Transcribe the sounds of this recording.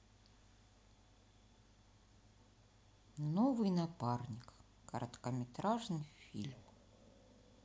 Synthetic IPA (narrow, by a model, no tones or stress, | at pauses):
novɨjnaparnʲik | kɐɾʔət̪kɐmʲɪt̪ɾaʐnɨjfʲḭlʲm